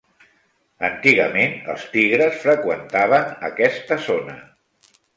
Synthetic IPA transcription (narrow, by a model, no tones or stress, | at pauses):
ənt̪iɣə̰menə̰lˠst̪iɣɾəsfɾəkwənt̪aβ̞ənə̰kɛst̪əzonə